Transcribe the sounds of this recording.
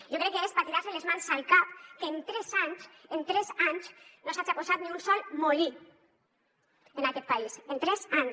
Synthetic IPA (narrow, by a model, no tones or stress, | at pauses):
ʒokɾɛkːeespat̪iðaɾselezmansalkapkeːnt̪ɾɛzaɲsent̪ɾɛzaɲsnosat͡ʃaposat̪nĩunsɔlmoli | enakɛt̪̚paisent̪ɾɛzaɲ